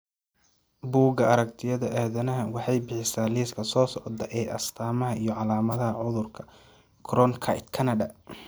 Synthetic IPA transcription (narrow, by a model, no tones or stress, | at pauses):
buːɡɐɐɾɐkt̪ʰɪjɐðɐʔɛːðɐnɐɦɐwɑħɑjbɪħɪsaːliːskʰɐsɔːsɔʕd̪ɐʔɛːʔɐst̪ʰaːmɐɦɐʔijɞʕɑlaːmɐðɐɦɐʕʊðʊrkʰɐ | kʰrɔnkʰɐ̰jt̪kʰɐnɐdɐ